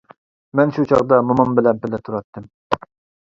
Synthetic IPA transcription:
mɛnʃut͡ʃʰɑʁd̪ɑmomɑmbɪlɛnpɪlɪt̪ʰuɾɑt̪ʰːɨm

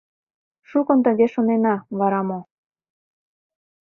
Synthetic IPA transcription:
ʃukŏnt̪əd̪ʲeʃonenɑβɑɾɑmo

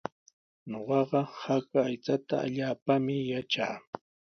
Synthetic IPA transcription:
ɲoɢɑɢɑhakaːjt͡sat̪a̰a̰ʎaːpamɪjat͡ʃaː

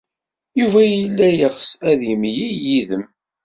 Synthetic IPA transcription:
juvæjəlːæjəʁəsæðjimjijiðəm

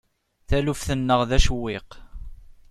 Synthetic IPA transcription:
θælufθənːəʁðæʃwːɪq

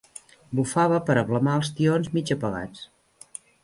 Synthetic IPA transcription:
bufaβəpəɾəβləmaəlˠst̪ionzmid͡ʒəpəɣa̰t͡s

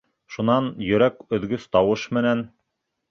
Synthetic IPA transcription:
ʃunɑnjɵ̆ɾækɵ̆ðɡɵst̪ɑwɤʃmɘ̆næn

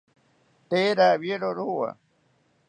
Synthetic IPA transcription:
t̪eːɾawjeɾoɾuwa̰

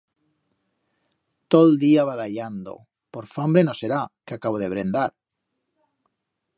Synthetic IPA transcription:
t̪old̪iaβaðaʎand̪o̰ | poɾfambɾenoseɾakeakaβ̞oð̞eβ̞ɾend̪aɾ

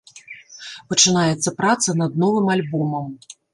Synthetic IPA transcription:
pɐt͡ʂɨnajɛt̪sːɐpɾat̪sɐnɐd̪̚nɔvɨmalʲbɔmɐm

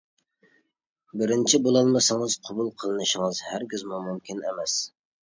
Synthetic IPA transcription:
bɪɾɪnt͡ʃʰibolˠɑlˠmɨsɨŋɨzqʰɑbulˠqʰəlˠɨnɨʃɪŋɨzhæɾɡʲizmumumkʲʰinemɛs

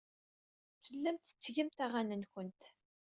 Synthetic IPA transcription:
fəlːæmt̪ə̥t͡sːʝəmt̪æʁænənçənt̪

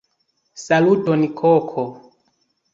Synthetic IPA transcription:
salutɔnikʰɔkʰɔ

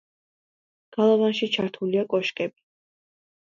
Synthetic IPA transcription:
ɡ̥alˠavanʃit͡ʃʰaɾt̪ʰuliakʼɔʃkʼɛbi

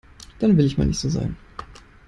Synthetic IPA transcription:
d̥anvɪlɪçma̰ːlnɪçtz̥oːza̰ːɡŋ̩

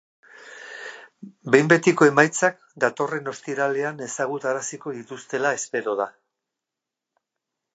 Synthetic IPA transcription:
be̞jmbe̞t̪iko̞e̞majt͡sak̚ | d̪at̪o̞re̞no̞st̪iɾale̞ane̞saɣ̞ut̪aɾasiko̞ðit̪ust̪e̞lae̞spe̞ɾo̞ð̞a

